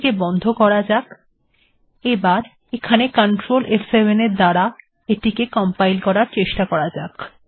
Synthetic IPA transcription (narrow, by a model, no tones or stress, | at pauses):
kebɔnd̪ʱokɔɾad͡ʑak | ebaɾ | ekʰanekəɳʈɾolʔefʰsebeneɾd̪aɽa | eʈikekɔmpajlkɔɾaɾt͡ɕeʃʈakɔɾad͡ʑak